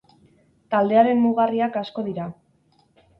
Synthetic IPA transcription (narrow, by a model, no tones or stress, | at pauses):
t̪ald̪e̞aɾe̞mːuɣariakasko̞ðiɾa